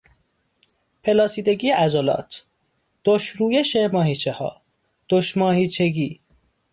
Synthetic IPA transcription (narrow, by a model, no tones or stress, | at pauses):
pʰelɒːsiːd̪e̞ɡiːʔæzolɒ̰ːt̪ʰ | d̪̥oʃɾuːjeʃemɒːhiːt͡ʃʰehɒ̰ː | d̪̥oʃmɒːhiːt͡ʃʰe̞ɡiː